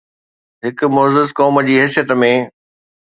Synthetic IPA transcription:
ɦɪkʊ̆mɔːzɪzkɔːməd͡ʑiːɦɛːsijət̪mẽ

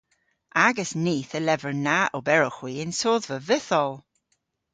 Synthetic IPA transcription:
aɡəsniːθəlɛvəɹnaʔɔbɛɹɔxw̥iːɪnsoːðvəvɪθɔlˠ

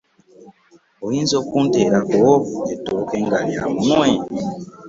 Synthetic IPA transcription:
oinzokunteɾakoetoɾokeŋɡalija̰munwe

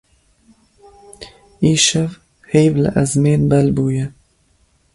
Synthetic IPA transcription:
iːʃɛv | hejvlɨ̰ʔɛzmeːnbɛlbuːjɛ

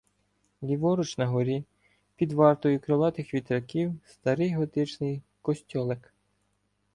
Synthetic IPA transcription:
lʲiʋɔɾʊt͡ʃnɐɦɔɾʲi | pʲid̪ʋɑrt̪ɔjʊkɾeʋɑt̪ɪxʋʲit̪ɾɐkʲiwst̪ɐɾɪjɦɔt̪ɪt͡ʃnɪj | kɔsʲtʲɔlˠɛk

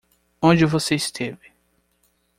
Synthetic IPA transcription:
õd͡ʒɪvoseist̪ʰevɪ

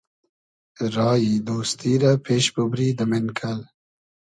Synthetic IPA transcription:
ɾɑːjid̪oːst̪iːɾapʰeːʃbubɾid̪əmɪnkʰal

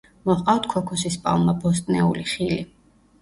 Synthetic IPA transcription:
mɔχqʼawt̪ʰkʰɔkʰɔsispʼa̰lˠmabɔs̬t̪ʼnɛuliχili

